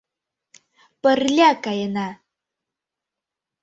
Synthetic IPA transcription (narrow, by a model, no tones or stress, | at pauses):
pərlʲakɑjənɑ